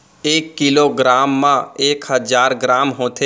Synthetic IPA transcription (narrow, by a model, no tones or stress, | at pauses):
eːkːiloɡɾaːmːãeːkɦəzaːɾɡɾaːmɦoːt̪ʰe